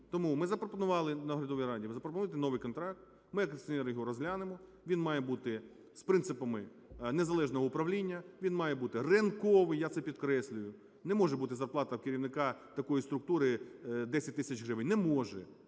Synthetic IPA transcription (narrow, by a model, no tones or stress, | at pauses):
t̪ɔmumɪzɐpɾɔpɔnʊʋɑlˠɪnɐɦɔɾʲɐd̪ɔʋʲijɾɑdʲiʋzɐpɾɔpɔnujt̪ɪnɔʋɨjkɔnt̪ɾɑk̚t̪ | mɪjɐkksʲɔnɛɾjɔɦɔɾɔzɦlʲanɪmɔ | ʋʲinmɑjɛbut̪ɪ | spɾɪnt̪sɪpɐmɪ | nezɐlˠɛʒnɔɦɔʊpɾɐʋlʲinʲːɐʋʲinmɑjɛbut̪ɪrɪnkɔʋɪjat̪sɛpʲid̪kɾɛsʲlʲʊjʊ | nɛmɔʒɛbut̪ɪzɐrplˠɑt̪ɐwkɪɾʲiwnɪkɑt̪ɐkɔjist̪ɾʊk̚t̪uɾɪd̪ɛsʲɐt̚ʲt̪ɪsʲɐt͡ʃɦɾɪʋɪnʲnɛmɔʒɛ